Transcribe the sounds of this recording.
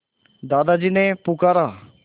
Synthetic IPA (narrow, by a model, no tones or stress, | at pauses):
d̪ad̪ad͡ʑiːnepukaɾa